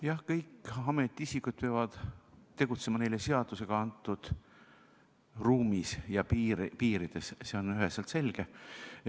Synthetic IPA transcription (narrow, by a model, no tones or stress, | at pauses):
jɑhkɤjkːɑme̞t̪ːˑiisikut̪̚peɑvɑd̪̥t̪ːe̞ɡ̥ut̪se̞mɑne̞jlese̞ɑd̪̥use̞ɡ̥ɑɑnt̪ːˑud̪̥ | ruːmisjɑpipiːɾid̪̥e̞sseo̞nyɦeselt̪se̞lʲɡ̥e